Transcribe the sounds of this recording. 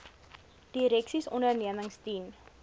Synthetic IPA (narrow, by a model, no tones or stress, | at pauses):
d̥iɾɛksisɔndərniəməŋstin